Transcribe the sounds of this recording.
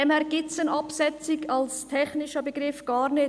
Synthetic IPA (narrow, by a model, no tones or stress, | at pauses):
ɛmhɛːɾɡ̥ɪtsənʔɑpsɛt͡sɪɡɑlstʰɛçnɪʃəbəɡɾɪfɡ̥ɑːɾnɪ